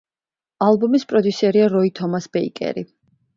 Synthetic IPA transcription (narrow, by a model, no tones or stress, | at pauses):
alˠbumispʼɾɔd̪jusɛɾiaɾɔit̪ʰɔmasbɛḭkʼɛ̰ɾi